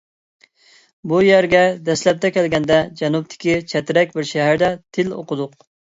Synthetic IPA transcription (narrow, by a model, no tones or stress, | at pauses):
bujæɾɡʲɛd̪ɛslɛp̚t̪ʰɛkʲɛlɡʲɛnd̪ɛd͡ʒɛnup̚t̪ʰɪ̥kʲit͡ʃʰɛt̪ɪɾɛkʲbɪɾʃɛɦæɾd̪ɛt̪ʰɪlo̰qəd̪ʊq̚